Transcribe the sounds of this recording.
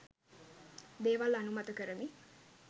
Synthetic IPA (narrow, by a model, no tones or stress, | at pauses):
d̪eːʋalanumat̪əkəɾəni